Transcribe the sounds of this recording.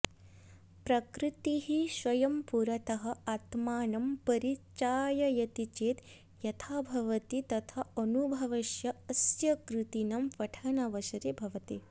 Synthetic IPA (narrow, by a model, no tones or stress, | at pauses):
pɾɐkɾit̪iɦiʃʋɐjɐmpuɾɐt̪ɐɦɐ̆ɐt̪maːnɐmpɐɾit͡ʃaːjɐjɐt̪it͡ʃeːt̪ | jɐt̪ʰaːbʱɐʋɐt̪it̪ɐt̪ʰɐɐnubʱɐʋɐʃjɐɐsjɐkɾɨt̪inɐmʋɐʈʰɐnɐʋɐʃɐɾibʱɐʋɐt̪i